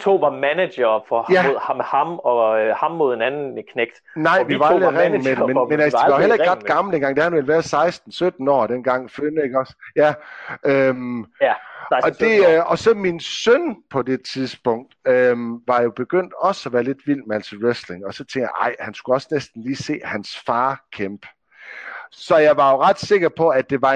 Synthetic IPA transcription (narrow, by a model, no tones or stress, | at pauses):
t͡sʰo̝̰ːʋɑ̈mæne̥ɐfɒjæoð̰ˠhɑ̈mɒ̽hɑ̈mmo̝ð̰ˠenænn̩kʰneɡ̥d̥nɑ̈ɪ̰ʋiʋɑ̈llʁɛŋ̩memenmenæsahelɐe̝ɡ̥ɒ̽d̥̚ɡ̥ɑ̈ml̩d̥enɡ̥ɑ̈ŋd̥eæhænʋe̝lʋæːɐsɑ̈ɪsd̥n̩sød̥n̩ɒ̰ːd̥en̰ɡ̥ɑ̈ŋ̰føne̝ɡ̥ɒ̽sjæøm | ɒ̽d̥e̝ɒ̽sɒ̽minsønpʰɒ̽d̥e̝t͡sʰiðˠsb̥ɔ̽ŋ̰d̥øʋɑ̈jo̝b̥e̝ɡ̥øn̰d̥ɒ̽səɒʋæːɐle̝d̥ʋil̰mæl̰siʁesle̝ŋɒ̽sɒ̽t͡sʰeŋɡ̥ja̰ʔɑ̈ɪ̰hænskuɒ̽snesd̥n̩liːse̝̰ːhænsfɑ̈ːkʰemb̥ | sɒ̽jɑ̈ɪʋɑ̈jo̝ʁɑ̈d̥se̝ɡ̥ɐpʰɒ̽æ̥d̥e̝ʋɑ̈